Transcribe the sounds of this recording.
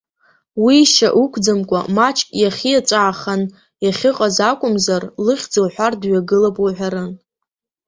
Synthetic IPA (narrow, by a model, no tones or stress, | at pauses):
wiʃa̰ʔukʷʰd͡zamkʷʼa̰mat͡ʃʼkʼjaχʲijat͡ʃʷʼaːχan | jaχʲɪqʼazakʷʼʊmzarlɨχʲd͡zɨwħʷardɥaɡɨlapʼaħʷᶣaɾɨn